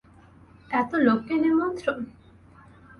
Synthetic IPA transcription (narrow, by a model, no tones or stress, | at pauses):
ɛt̪olokːenemot̪ɾo